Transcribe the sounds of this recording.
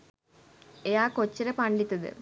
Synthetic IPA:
ejaːkot͡ɕːɐɾɐpɐɳɖit̪ːɐðɨ̰

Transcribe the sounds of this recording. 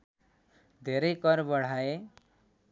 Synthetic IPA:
d̪ʱeɾʌjkʌɾbʌɽ̤ae

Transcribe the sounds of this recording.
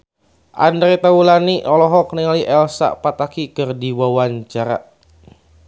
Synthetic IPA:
ʔa̰ndɾet̪aulaniʔɔlɔɦɔk̚nəŋaliʔɛlsa̰ʔpat̪akikɨrdiwawaɲt͡ʃaɾa̰

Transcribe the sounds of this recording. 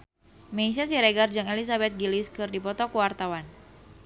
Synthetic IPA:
meis̬as̬iɾɛɡard͡ʒɨŋelis̬abɛt̪̚ɡiliskɨrdipɔt̪ɔkuwart̪awan

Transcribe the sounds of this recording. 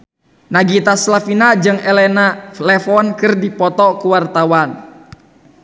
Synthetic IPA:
naɡit̪aslafinad͡ʒɨŋɛlɛnalɛfɔnkɨrdipɔt̪ɔkuwart̪awan

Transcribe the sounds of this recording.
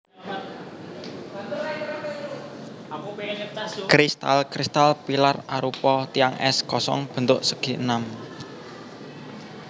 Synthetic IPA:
kɾist̪a̰lkɾist̪alpilaraɾupɔt̪iaŋʔɛ̰skɔsɔ̰ŋb̥ə̤nt̪ʊʔsəɡ̥i̤ənam

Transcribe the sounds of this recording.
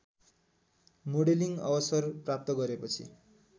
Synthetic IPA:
moɽeliŋʌ̰bʌsʌrprap̚t̪ʌɡʌɾepʌt͡sʰḭ

